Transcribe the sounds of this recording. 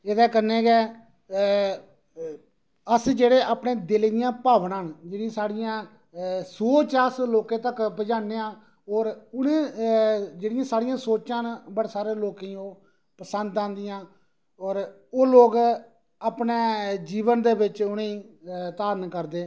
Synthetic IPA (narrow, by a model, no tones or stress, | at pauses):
ed̪ɛːkənːeːɡɛː | əsd͡ʒeːɽeːʔaːpɳeːd̪ɪld̪ɪjãːpaːʋnãːnd͡ʒɪɽĩːsaːɽɪjãː | soːt͡ʃaːsloːkẽːt̪əkpəd͡ʒaːnːeːãː | ɔːɾʊnẽː | d͡ʒeːɽɪjãːsaːɽɪjãːsoːt͡ʃãːnbəɽesaːɾeːloːkẽːõː | pəsənd̪ãːnd̪ɪjãː | ɔːɾ | oːloːɡ | aːpneːd͡ʒiːʋənd̪eːbɪt͡ʃʊnẽːiːt̪aːɾənkəɾd̪eː